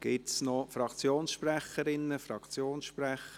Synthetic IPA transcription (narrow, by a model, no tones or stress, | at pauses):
ɡ̥ɪt̪snɔfɾɑkt͡sjoːnsʃprɛχəɾɪnːəfɾɑkt͡sjoːnsʃpɾɛχə